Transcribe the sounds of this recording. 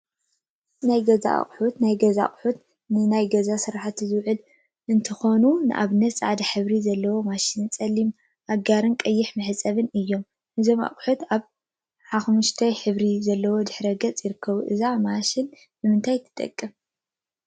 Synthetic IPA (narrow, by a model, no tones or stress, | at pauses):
najɡɐza̰χʼħut̪najɡɐza̰χʼħut̪ | nɨnajɡɐzasɨɾaħat̪zɨwʕɨl | ʔɨnt̪ʰɨxo̞nunɨʔa̰βɨnːɐt̪t͡sʼʕad̪ɐħɨβɾizɐlːɐwo̞maʃɪnɨnt͡sʼɐlːim | ʔaɡaɾɨnkʼɐjːɪħmɨħɨt͡sʼɐβɨnɨjːo̞m | ʔɨzo̞ma̰χʼħut̪aβ | ħaxmuʃt̪ʰɐjħɨβɾizɐlːɐwo̞d̪ɨħɾɐɡɐt͡sʼjɪɾɨkʰːɐβuʔɨzamaʃɪn | bɨmɨnt̪ʰajt̪ʰɨ̥t̪ʼɐ̰kʼːɨm